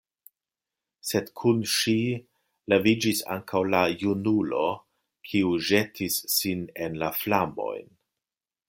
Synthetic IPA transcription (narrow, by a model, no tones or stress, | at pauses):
se̞dkʰunʃi | levid͡ʒisa̰ŋkʰawlajunulo̞ | kʰiuʒe̞tʰisːine̞nlaflamo̞̰jn